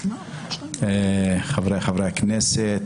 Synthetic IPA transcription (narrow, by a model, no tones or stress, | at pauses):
eχavɾejχavɾeakneset̪